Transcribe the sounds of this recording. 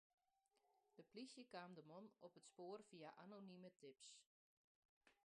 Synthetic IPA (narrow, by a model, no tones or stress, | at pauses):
d̥əplisjəkaːmdəmonɔpətspoːrfiaʔanonimətʰɪps